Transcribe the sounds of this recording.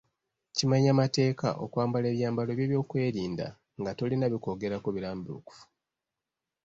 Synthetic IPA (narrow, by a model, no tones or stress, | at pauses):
cimaɲamate̞ːka̰ʔo̰kwaːmbale̞ːβjaːmbalo̞βjeːβjo̞ːkwe̞ːɾiːnda̰ | ŋɡatolinaβiko̞ɡe̞ɾakoβiɾaːmbiṵku̥fu̥